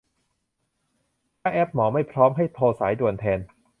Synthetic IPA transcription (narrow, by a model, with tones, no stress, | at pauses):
kʰaː˦˥ʔɛː˦˥p̚mɔː˩˦ma˥˩jpʰɾɔː˦˥mɦa˥˩jp̪ʰoː˧saː˩˦jdu˨˩ənt̪ʰɛː˧n